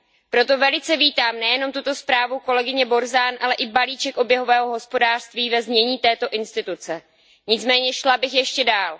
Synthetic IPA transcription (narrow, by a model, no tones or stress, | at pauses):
pɾo̞t̪o̞vɛlɪt͡sɛviːt̪aːmnɛjɛno̞mt̪ut̪o̞spɾaːvuko̞lɛɡɪɲɛbo̞ɾzaːnʔalɛʔɪbaliːt͡ʃɛkʔo̞bjɛɦo̞vɛːɦo̞ɦo̞spo̞daːr̥st̪viːvɛzmɲɛɲiːt̪ɛːt̪o̞ʔɪnst̪ɪt̪ut͡sɛ | ɲɪt͡smɛːɲɛʃlabɪxjɛʃcɛdaːl